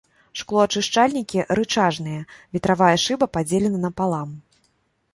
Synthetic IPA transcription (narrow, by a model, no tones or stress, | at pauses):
ʂklˠɔɐt͡ʂɨʂt͡ʂalʲnʲikʲiʔɾɨt͡ʂaʐnɨjɐvʲit̪ɾavajɐʂɨbɐpad͡zʲelʲɛnɐnɐpalˠam